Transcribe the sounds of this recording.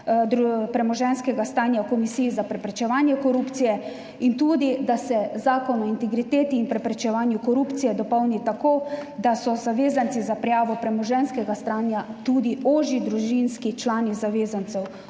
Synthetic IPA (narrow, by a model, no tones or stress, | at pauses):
d̪ɾupɾɛmɔʒɛnskɛɡast̪aːnjakɔmisiːjizapɾɛpɾɛt͡ʃɛʋaːnjɛkɔɾupt̪sijɛ | int̪uːd̪id̪asɛzaːkɔnɔint̪ɛɡɾit̪eːt̪iːnpɾɛpɾɛt͡ʃɛʋaːnjukɔɾuːpt̪sijɛd̪ɔpɔwnit̪akoːd̪asɔzaʋeːzant̪izapɾɛjaːʋɔpɾɛmɔʒɛnskɛɡast̪aːnjat̪uːd̪ioːʒid̪ɾuʒinskit͡ʃlaːnizaʋeːzant̪sɛw